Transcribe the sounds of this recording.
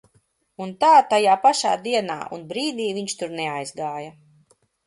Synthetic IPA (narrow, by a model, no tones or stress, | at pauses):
unt̪aːt̪ajaːpaʃa̰ːd̪iɛna̰ːʔṵnbɾiːd̪iːviɲt͡ʃt̪uɾnɛajzɡaːja